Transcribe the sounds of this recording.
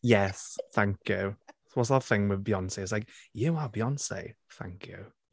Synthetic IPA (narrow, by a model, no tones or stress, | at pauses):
jɛsθãŋkʰjʉ | wɔtsðəθɪ̃ŋwɪðbjɔnseɪtslaɪk̚jəwabjɔnsḛɪθã̰ŋkʰjʉ̰